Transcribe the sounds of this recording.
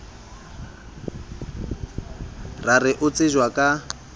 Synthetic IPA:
rarɪʔʊt͡sʼɪʒwakʼa

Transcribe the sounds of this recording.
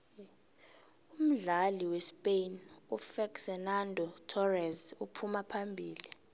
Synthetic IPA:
um̩ɮaliwɛspejnufɛksɛnandʱɔtʰɔrɛzupʰumapʰambʱiːli

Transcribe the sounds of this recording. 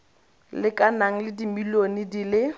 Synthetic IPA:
lɪkʼanaŋ̩lɪdimilonidilɪ

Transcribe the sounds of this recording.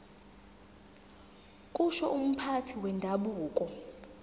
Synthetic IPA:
kʼuʃɔʔum̩pʰatʰiwɛndʱaɓuːkʼɔ

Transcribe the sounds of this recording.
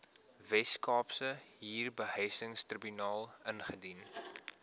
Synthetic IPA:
vɛskɑːpsəɦiːrbəɦəjsəŋstribynɑːlˠənχədin

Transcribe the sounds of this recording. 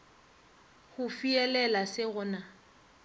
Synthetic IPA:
hʊfiɛlɛlasɪɣʊːna

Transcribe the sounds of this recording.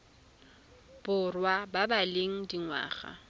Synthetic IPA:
b̥ʊrwababaleŋ̩diŋwa̰ːχa̰

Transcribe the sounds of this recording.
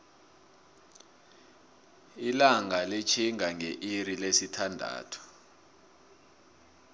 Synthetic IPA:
ilaŋalit͡ʃʰiŋʱaŋeʔirilesitʰandʱa̰ːtʰɔ̥

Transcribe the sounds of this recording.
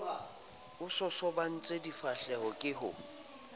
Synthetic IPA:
ʊsɔsɔban̩t͡sʼedifaɬɛhɔkʼɪɦʊ̰

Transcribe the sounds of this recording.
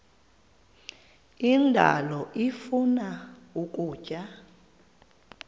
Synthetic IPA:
indʱa̰lɔʔifunauk̬ʼuːt͡ʃʼa

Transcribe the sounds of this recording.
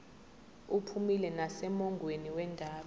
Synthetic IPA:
upʰumilɛnasɛmɔŋɡʱweniwɛndʱaːɓa

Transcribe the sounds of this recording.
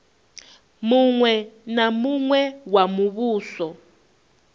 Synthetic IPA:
muŋwɛnamuŋwɛwamuβuːsɔ

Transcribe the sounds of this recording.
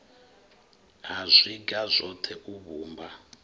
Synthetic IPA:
azʷiɡazʷɔtʰɛʔuβuːmba

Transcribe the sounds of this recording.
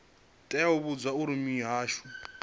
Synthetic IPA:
tʼɛjaɦuβud͡zwauɾimiɦaːʃu

